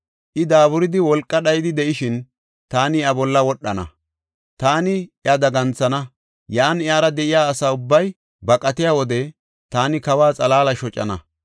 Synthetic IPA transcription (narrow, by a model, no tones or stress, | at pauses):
ʔɪd̪aːβʊɾɪd̪ɪwɔlkʼːɐɗɐjɪd̪ɪd̪ɛʔɪʃɪn | t̪aːnɪɐbɔlːɐwɔɗːɐnɐ̰ | t̪aːnɪɐd̪ɐɡɐnt͡sːɐnɐ | jaːnɪaːɾɐd̪ɛʔɪjaːsaːʊbːɐj | bɐkʼɐt̪ɪjaːwɔd̪ɛ | t̪aːnɪkɐwaːt͡sʼɐlaːlɐʃɔt͡ʃʼːɐ̰nɐ